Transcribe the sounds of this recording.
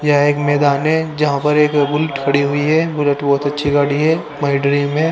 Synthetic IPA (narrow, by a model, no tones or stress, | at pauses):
jɐeːkmɛːd̪aːnɦɛd͡ʒɐɦãpɐɾeːkbʊlʈkʰɐɽiɦʊiɦɛbʊləʈbɔːt̪ɐtːʃʰiɡaːɽiɦɛː | maːɪɖɾiːmɦɛ̃ː